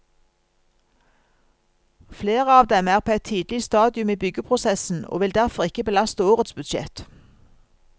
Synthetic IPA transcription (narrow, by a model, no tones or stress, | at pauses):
fleːʁəɑːʋd̪ɛmæːʁpʰoːæɪt̪ʰiːd̪lɪst̪ɑːd̪ɪʉmiːbʏɡəpʰʁʊsɛsn̩o̰ːʋɪld̪æʁfɔʁɪkəbəlɑst̪əoːʁət̪sbʉd̪ʃɛ̰t̪